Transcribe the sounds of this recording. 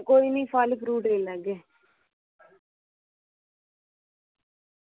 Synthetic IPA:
koːiniːpaːləkɾuːʈɾeːlɛːɡeː

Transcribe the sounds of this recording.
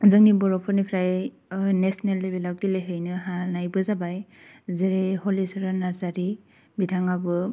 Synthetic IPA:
zɯŋnibɔɾɔpʰɔɾnipʰɾaj | nesnelːebelawɡileɦejnɯɦanajbɯzabajzeɾehɔlisɔɾanaɾzaɾi | bitʰaŋabɯ

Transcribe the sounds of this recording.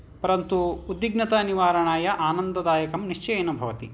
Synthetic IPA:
pɐɾɐnt̪uːd̪ːiɡnɐt̪ɐniʋaːɾɐɳaːjɐʔaːnɐnd̪ɐd̪aːjɐkɐmniʂt͡ʃɐjɐnɐbʱɐʋɐt̪i

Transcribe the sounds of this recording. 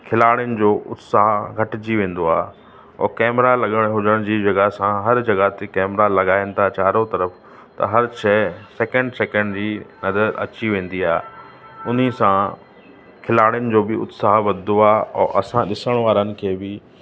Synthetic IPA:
kʰɪlaːɽjʊnɪ̆d͡ʑoːʔʊt̪saːɦɡʱɐʈɪd͡ʑiʋẽːn̆d̪oaː | ɔ̰ːkɛːmɾalɐɠəɽ̃ɦʊd͡ʑəɽ̃d͡ʑiːd͡ʑɐɡəɦsãɦɐɾd͡ʑɐɡəɦt̪ekɛːmɾalɐɠaːɪ̃n̆t̪aːt͡ɕaːɾot̪ɐɾəf | t̪ɐ̰ɦɐɾt͡ɕʰɛːsɛːkə̃ɳɖsɛːkə̃ɳɖd͡ʑiːnɐd̪əɾɐ̰t͡ɕiʋẽːn̆d̪iaːɦe | ʊn̤isã | kʰɪlaːɽɪjʊnɪ̆d͡ʑoːbɪʊ̰t̪saːɦʋɐd̪d̪oaːɦɔːʔɐsãɗɪsəɽ̃ʋaːɾənɪ̆kʰeːbɪ

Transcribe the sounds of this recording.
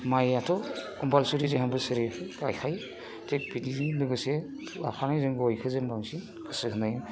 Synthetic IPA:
majatʰɔ | ɔmbalsuɾizeɦambɯsɯɾiɡajkʰaj | tʰek̚bidilɯɡɯse | a̰pʰanajzɯŋɡɔjkʰɯzembaŋsi | ɡɯsɯhɯnajɯ

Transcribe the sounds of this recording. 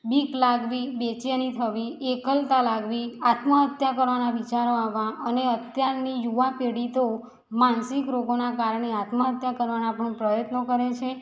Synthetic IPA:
biklaɡʋibet͡ʃanit̪ʰəʋiekəlt̪alaɡʋiat̪məɦət̪jakəɾʋanaʋit͡ʃaɾoaʋãʔəneət̪jaɾnijuʋapeɽit̪o | mansikɾoɡonakaɾɳeat̪məɦət̪jakəɾʋanãpəɳ̃pɾəjət̪nokəɾet͡ʃʰe

